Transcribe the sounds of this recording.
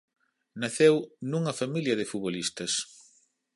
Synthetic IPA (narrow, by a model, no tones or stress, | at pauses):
nɐθewnuŋɐfamiljɐðɪfuβolist̪ɐs